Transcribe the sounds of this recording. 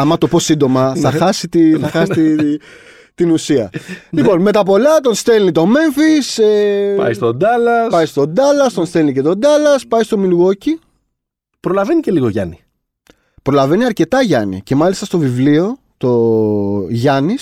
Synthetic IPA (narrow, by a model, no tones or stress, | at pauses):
ɐmɐt̪o̞po̞sind̪o̞mɐθɐxɐsit̪iθɐxɐsit̪i | t̪inusiɐ̰lipo̞nme̞t̪ɐpo̞lɐt̪o̞nst̪e̞lnit̪o̞me̞ɱfisepɐ̰jst̪od̪ɐlɐspɐjst̪o̞d̪ɐlɐst̪o̞nst̪elnice̞t̪o̞d̪ɐlɐspɐjst̪o̞miluɣo̞ci | pɾo̞lɐve̞nice̞liɣoʝɐ̰ni | pɾo̞lɐve̞niɐɾce̞t̪ɐʝɐ̰nḭce̞mɐlist̪ɐst̪o̞vivlio̞ | t̪o̞ | ʝɐnis